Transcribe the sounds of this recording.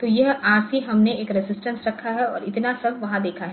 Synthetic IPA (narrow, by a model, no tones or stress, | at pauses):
t̪ojɐɦaːɾsiɦɐmneeːkɾɪzɪsʈə̃nsɾɐkʰːaɦɛɔ̰ːɾɪt̪nasɐbʱʋɐɦãd̪eːkʰaɦɛ